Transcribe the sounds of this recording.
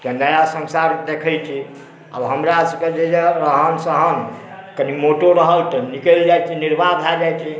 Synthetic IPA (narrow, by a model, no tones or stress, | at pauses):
t̪enəjasə̃nsaɾd̪ekʰəjt͡ʃʰi | ə̰bɦəmɾasəked͡ʒed͡ʒeɾəɦənsəɦən | kənimoʈoɾəɦəlt̪ənikəld͡ʒajt͡ʃʰiniɾbad̪ʱad͡ʒajt͡ʃʰi